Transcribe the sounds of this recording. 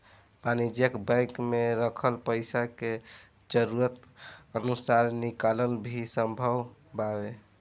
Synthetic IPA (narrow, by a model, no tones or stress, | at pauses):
banid͡ʒjəkbə̃ɪkmeɾəkʰəlpəɪsake | d͡ʒəɾuɾət̪ənusaɾnikaləlbʱisəmbʱəwbabe